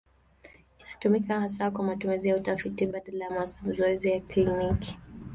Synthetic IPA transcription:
inatumikahas̬akwamatumizijautafitiɓaɗalajamazɔɛzijakliniki̥

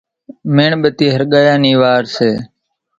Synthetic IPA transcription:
meːɳɓət̪iːɦəɾɠaːjaːniːʋaːɾseː

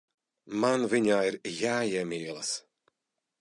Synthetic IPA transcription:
manviɲaːiɾjaːjɛmiɛlˠɐs

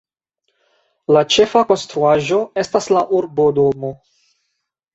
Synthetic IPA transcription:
lat͡ʃe̞fako̞nstɾuaʒo̞e̞staslaʔuɾbo̞do̞mo

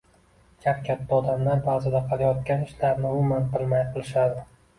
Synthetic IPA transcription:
kʲʰapkʲʰat̪ːaɒd̪amlaɾbazɪd̪aqʰɑlajɒt̪̚kʲanɪʃlaɾnɪʊmʊmanqɨlˠmajqʰɨlˠɪʃad̪ɪ

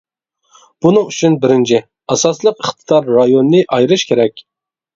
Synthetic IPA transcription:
b̥unɨŋyt͡ʃʰynbɪɾɪnt͡ʃʰɪ | ɑsɑslˠəqəχt̪ʰɨ̥d̪ɑɾːɑjonːɨʔɑjɾɨʃkʲʰeɾɛkʲ

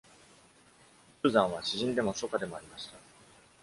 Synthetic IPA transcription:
ɯːzãɰ̃βaɕiʑĩnd̪e̞mo̞so̞kad̪e̞mo̞aɾʲimaɕi̥t̪a

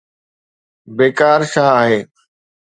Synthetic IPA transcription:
beːkaːɾʃãːaːɦeː

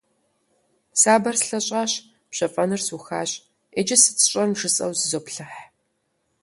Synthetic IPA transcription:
saːbɐrsɬɐɕʼaːɕ | pɕɐfʼɐnɨrsuxaːɕ | ed͡ʒɪsɨ̥t͡sʰɨ̥ɕʷʼɐnmʒɨsʼɐ̰wzɨzoːpɬɨħ

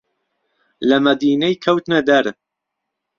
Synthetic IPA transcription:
lɐmɐd̪iːnɐjkʰɐwt̪ɨnɐd̪ɐɾ

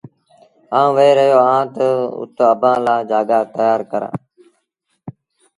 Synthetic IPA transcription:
ãːʋeeːɾəɦjoːãːt̪əʊ̰t̪oəbʱãːlaːd͡ʒaːɡaːt̪əjaːɾkəɾã̰ː

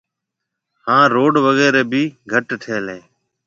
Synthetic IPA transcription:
hãːɾoːɖʋəɣɛːɾeːbʱiːɡʱəʈʈʰeːlẽː

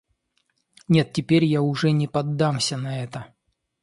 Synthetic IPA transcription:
nʲe̞t̪tʲːɪpʲeɾʲjaʊʐɛnʲɪpɐd̪ːamsʲənɐɛt̪ə

